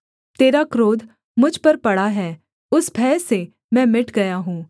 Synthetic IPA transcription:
t̪eːɾakɾoːd̪ | mʊd͡ʒʱpɐɾpɐɽaɦɛː | ʊsbʱɛːse | mɛ̃ːmɪʈɡɐjaɦũː

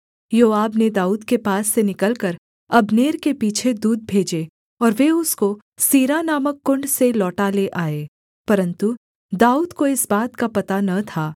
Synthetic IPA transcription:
joːaːbned̪aːuːd̪kepaːsːenɪkəlkəɾ | ɐbneːɾkepiːt͡ʃʰed̪uːd̪̚bʱeːd͡ʒeː | ɔːɾʋeʊsko | siːɾanaːməkːʊ̃ɳɖselɔːʈaleʔaːeː | pɐɾə̃nt̪u | d̪aːuːd̪koɪsbaːt̪kapɐt̪anɐt̪ʰaː

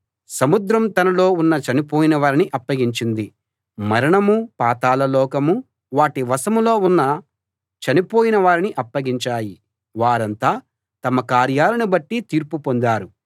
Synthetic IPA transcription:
sɐmud̪ɾɐmt̪ɐnɐlo̞ːunːɐt͡ʃɐnipoːjinɐʋaːɾiniʔɐpːɐɡiɲt͡ʃind̪i | mɐɾɐɳɐmupaːt̪aːlɐlɔːkɐmu | ʋaːʈiʋɐsɐmlo̞ːunːɐ | t͡ʃɐnipoːjinɐʋaːɾiniʔɐpːɐɡiɲt͡ʃaːji | ʋaːɾɐnt̪aː | t̪ɐmɐkaːɾjaːlɐnibɐʈːit̪iːɾpupo̞nd̪aːɾu

